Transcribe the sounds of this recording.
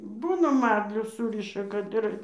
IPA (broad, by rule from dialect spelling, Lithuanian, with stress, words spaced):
ˈbuːnɐ ˈmɐrʲlʲʊ ˈsuːrʲɪʃɐ kɐt ˈɪr